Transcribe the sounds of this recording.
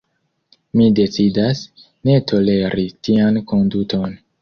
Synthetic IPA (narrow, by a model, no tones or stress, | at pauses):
mide̞t͡sidas | ne̞tʰo̞le̞ɾitianko̞nduto̞n